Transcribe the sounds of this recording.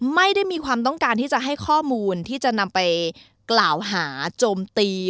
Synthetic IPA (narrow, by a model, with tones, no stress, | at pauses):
ma˥˩jda˥˩jmiː˧kʰwaː˧mt̪̬ɔ˥˩ŋkaː˧nt̪ʰiː˥˩t͡ɕa˨˩ʔɦa˥˩jkʰɔː˥˩muː˧nt̪ʰiː˥˩t͡ɕa˨˩ʔna˧mpa˧j | klaː˨˩wɦaː˩˦t͡ɕoː˧mt̪iː˧